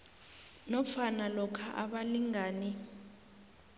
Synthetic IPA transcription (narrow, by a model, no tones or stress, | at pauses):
nɔfanalɔkʰaʔa̰ɓaliŋaːni